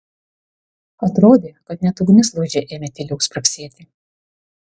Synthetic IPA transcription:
ɐt̪ɾoːd̪ʲeːkɐt̪̚nʲɛt̪ʊɡnʲɪslˠuːd͡ʒʲɛʔeːmʲɛt̪ʲɪlʲɪʊspɾɐksʲiɛt̪ʲɪ

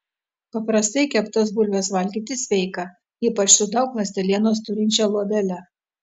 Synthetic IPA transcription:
pɐpɾɐst̪ɐɪkʲɛpt̪osbʊlʲʋʲɛsʋɐlʲɡʲiːt̪ʲɪsʲʋʲɛɪkɑ | iːpɐt͡ʃsʊd̪ɒʊklˠɐsʲt̪ʲɛlʲiɛnoːst̪ʊɾʲɪnʲt͡ʃʲɛlˠuɔd̪ʲɛlʲɛ

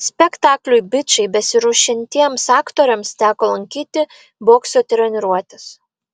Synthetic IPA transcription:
sʲpʲɛkt̪ɑːklʲʊɪbʲɪt͡ʃʲɛɪbʲɛsʲɪɾʊʃʲɪnʲt̪ʲiɛmsɑːkt̪oːɾʲɛmst̪ʲæːkoːlˠɐŋʲkʲiːt̪ʲɪ | boːksʲoːt̪ʲɾʲɛnʲɪɾuɔt̪ʲɪs

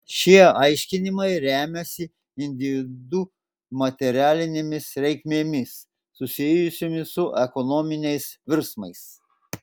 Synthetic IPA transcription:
ʃʲiɛɐɪʃʲkʲɪnʲɪmɐɪɾʲæːmʲɛsʲɪ | ɪnʲd̪ʲɪʋʲɪd̪u | mɐt̪ʲɛɾʲæːlʲɪnʲemʲɪsɾʲɛɪkʲmʲeːmʲɪsː | ʊsʲɪjʊsʲoːmʲɪsʊʔɛkɔnɔːmʲɪnʲɛɪsʋʲɪɾsmɐɪs

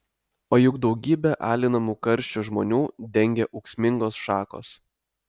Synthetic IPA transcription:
oːjʊɡd̪ɒʊɡʲiːbʲɛʔɑ̰ːlʲɪnɐmuːkɐɾʲʃʲt͡ʃʲuʒmo̰ːnʲuːd̪ʲɛŋʲɡʲɛʔɔʊksʲmʲɪŋɡoːsʃɑːko̰ːs

